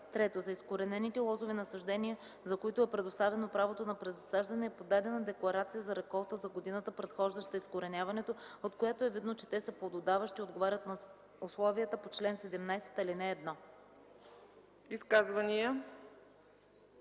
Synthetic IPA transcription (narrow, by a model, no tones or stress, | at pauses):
t̪ɾɛt̪ozɐiskoɾɛnɛnit̪ɛlˠɔzovɛnɐsɐʒd̪ɛniə | zɐkoit̪oɛpɾɛd̪ost̪avɛnopɾavot̪onɐpɾɛzɐsaʒd̪ɐnɛːpod̪ad̪ɛnəd̪ɛklˠɐɾat̪sijəzɐɾɛkɔlˠt̪əzɐɡod̪inət̪əpɾɛt̪xɔʒd̪əʃt̪əiskoɾɛnʲjavɐnɛt̪oot̪kojat̪oɛvid̪not͡ʃɛ̥t̪ɛsəplˠod̪od̪avəʃt̪iod̪ɡovaɾʲət̪nɐ | ʊslˠɔvijət̪əpot͡ʃlɛnsɛd̪ɛmnajsɛ̥t̪ɐlinɛːd̪nɔ | iskazvɐniə